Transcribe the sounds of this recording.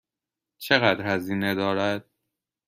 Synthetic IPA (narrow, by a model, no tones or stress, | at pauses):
t͡ʃʰe̞ɣæd̪ɾhæziːne̞d̪ɒːɾæd̪̥̚